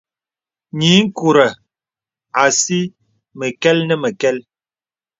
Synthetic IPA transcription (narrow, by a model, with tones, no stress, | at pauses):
ɲi˨˦ŋ̩˦ku˨ɾə˨ | a˨si˦ | mə˨kɛ˦lnə˦mə˨kɛ˦l